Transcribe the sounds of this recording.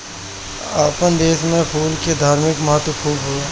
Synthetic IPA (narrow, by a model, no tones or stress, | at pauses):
aːpənd̪eːsmẽpʰuːlked̪ʱaːɾmɪkməɦət̪wəkʰuːbɦueː